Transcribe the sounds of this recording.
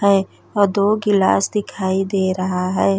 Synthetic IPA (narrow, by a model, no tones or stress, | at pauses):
ɦɛː | ɔːɾd̪oːɡɪla̰ːsd̪ɪkʰaːid̪eːɾɐɦaɦɛː